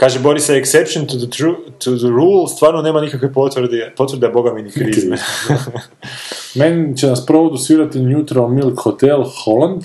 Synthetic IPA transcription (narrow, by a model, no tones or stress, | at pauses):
kaːʒebo̞ɾiseeksepʃont̪uɾut̪ud̪əɾuːlst̪ʋaːɾnone̞ːmanikakʋepot̪ʋd̪ipo̞t̪ʋɾd̪abo̞ɡaminikɾii | menit͡ɕenaspɾood̪usʋiːɾat̪injut̪ɾaomilˠkxot̪elˠxoland̪